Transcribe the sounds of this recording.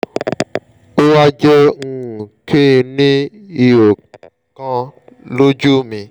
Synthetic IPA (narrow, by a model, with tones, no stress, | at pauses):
o˦wa˦d͡ʒɛ˦ŋ̩̃˦˨kʰe˦˧nĩ˦i˧o˨ | kã˧lo˦d͡ʒu˦˨mĩ˧